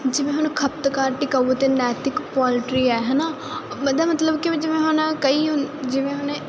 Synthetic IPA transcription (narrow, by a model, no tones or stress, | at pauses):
d͡ʒɪʋẽːɦʊnkʰəp̚t̪kaːɾʈɪkaːut̪eːnɛːt̪ɪkpɔːlɪʈɾiːɛːɦɛːnaː | məd̪aːmət̪ləbkɪd͡ʒɪʋẽːɦʊnkəiːɦʊnd͡ʒɪʋẽːɦʊne